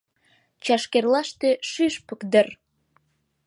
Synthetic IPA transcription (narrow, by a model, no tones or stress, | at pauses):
t͡ɕɑʃkerlɑʃt̪eʃyʃpəkd̪ə̆r